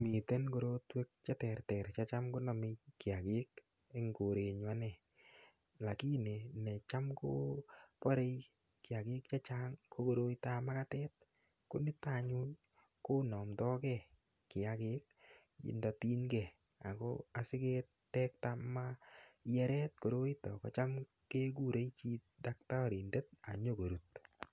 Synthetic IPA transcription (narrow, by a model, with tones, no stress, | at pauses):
mi˨tɛ˦nɡo˨ɾo˦twe˦k̚t͡ʃa˦tɛ˨ɾtɛ˨ɾt͡ʃat͡ʃa˦mko˦nɔ˨mɪ˧kɪ˨a˨ɡɪ˦k | e˦ŋɡo˨ɾe˨ɲwa˦nɛ˨ | la˨ki˦ne˨nɛ˨t͡ʃa˦mko˦pɔ˦ɾe˦j | kɪ˨a˨ɡɪ˦k̚t͡ʃa˦t͡ʃa˦ŋkʰo˦ɡo˦ɾo˦ita˦ma˦ka˦tɛt̚ | ko˦nɪ˦taɲʊ˦n | ko˦nɔ˨mdɔ˦kɛ˦˨ | kɪ˨a˦ke˦k | ɪ̰˨nda˨ti˦nɡɛ˨ | a˨kɔ̰˦a˨sɪ˦ke˦t | tɛ˦k̚ta˦majɛ˦ɾɛt̚ko˨ɾo˦itɔ˨ka˨t͡ʃa˦m | ke˦ɡ̬u˦˨ɾe˦t͡ʃi˦da˦k̚ta˦ɔ˦ɾi˨nde˦t̚a̰˨ɲo˦ɡo˨ɾu˨t̚